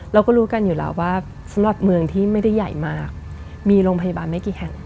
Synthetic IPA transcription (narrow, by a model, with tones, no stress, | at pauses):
ɾaː˧wkɔː˥˩ɾuː˦˥ka˧njuː˨˩a̰˧˦˩waː˥˩ | sa˩˦mɾa˨˩p̚mɯ˧əŋt̪ʰiː˥˩ma˥˩jda˥˩jːa˨˩jmaː˥˩k̚ | miː˧ɾoː˧ŋpʰa˧ja˧baː˧nma˥˩kiː˨˩hɛ˨˩˦ŋ